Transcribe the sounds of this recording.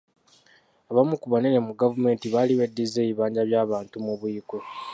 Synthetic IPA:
aβamukuβoneɾemuɡavume̞ːntiβaliβedːizeːβiβaːɲɟaβjaːβaːntumuβuiko

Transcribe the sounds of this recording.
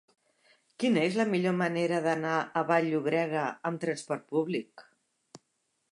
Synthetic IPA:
kinəezləmiʎoməneɾəðənaəβaʎːuβɾɛɣəəmt̪ɾənspɔɾt̪̚puβlik

